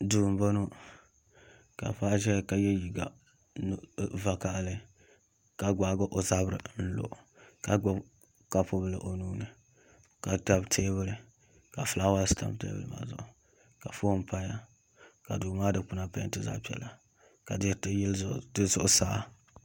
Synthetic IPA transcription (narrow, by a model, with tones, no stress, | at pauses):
duː˨m˨bo˦no˦ | ka̰˨fa˦ʒɛ˦˨ka˨jɛ˦ji˨ɡa˨ | n˨va˨ka˨ʔlɨ˦ | ka˨ɡa˨˦ɡʊ˦ʔo˨za˦bɾɨ̰˨n̩˦lo̰˨ʔ | ka˨ɡʊ˦b | ka˨pʊ˦bɨ˦lɨ̰˨ʔo˨nuː˦nɨ˨ | ka˨ta˦btʰeː˦βɨ˦lɨ˦ | ka˨fla˦wa˦sta̰˨mbtḛː˦bɨ̰˦lɨ̰˦ma̰˨zʊ̰˨ʔʊ˨ | ka˨fo˦m˦pa˦ɲa˦ | ka˨duː˨maː˦dɨ˨k͡pʊ˦na˦pa˦tɨ˦za̰˦pi˦ɛ̰˨la˨ | ka˨dɪ˦tɨ˦ji˦ldɨ˦zʊ˦ʔʊ˦saː˦